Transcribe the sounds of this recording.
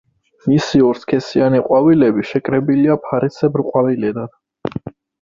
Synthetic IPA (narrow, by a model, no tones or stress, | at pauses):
misiɔɾskʰɛsianiqʼwavilɛbiʃɛkʼɾɛbiliapʰaɾisɛbɾqʼwavilɛd̪ad̪̥